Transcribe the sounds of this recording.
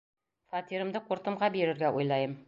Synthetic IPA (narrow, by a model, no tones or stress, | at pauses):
fɑt̪iɾɤ̆md̪ɤquɾt̪ɤ̆mʁɑbeɾɘ̆ɾɡæʔujlˠɑjɤm